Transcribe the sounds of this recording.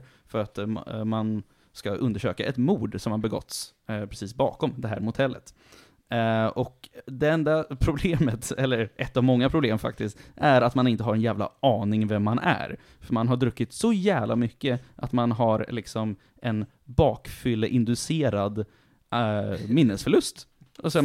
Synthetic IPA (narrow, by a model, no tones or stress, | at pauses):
fœɾat̪man | skaʔɵnd̪əʂø̰ːkaʔɛt̪muːɖsɔmhaɾbɛɡɔ̰t̪ːs | pʰɾɛsiːsbɑːkɔmd̪ɛɦæːɾmʊt̪ʰɛlːət̪ | ɔkd̪ɛɛɛnd̪apʰɾʊbleːmət̪ɛlːəɾʔɛt̪ːavmɔŋːapʰɾʊbleːmfa̰k̚t̪ɪst̪æɾat̪manɪnt̪əɦaɾɛnjæːvla̰ɑːnɪŋvɛmːanʔæ̰ɾ | fœɾmanɦaɖɾɵkːɪt̪sɔjæːvlʔa̰mʏkːəʔat̪manɦaɾlɪksɔm | ʔɛn | bɑːkfʏlːəʔɪnd̪ɵseːɾad̪ | mɪnːəsfœɭɵst̪ɔsɛ